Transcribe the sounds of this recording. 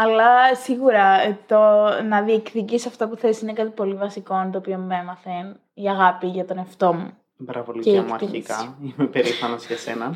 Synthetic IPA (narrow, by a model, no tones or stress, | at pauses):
ɐlɐsiɣuɾɐt̪onɐðiekθicisɐft̪ɐpuθesine̞kɐt̪ipo̞livɐsiko̞nt̪o̞ːpio̞muemɐθen | iɐɣɐpiʝɐt̪o̞neft̪o̞mu | bɾɐvolicemkuɐɾt̪imikɐimepeɾifɐnɐzʝɐsḛnɐn